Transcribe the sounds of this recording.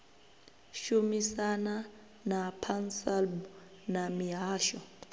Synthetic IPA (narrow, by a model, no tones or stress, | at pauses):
ʃumisana | napʰansalb | namiɦaːʃɔ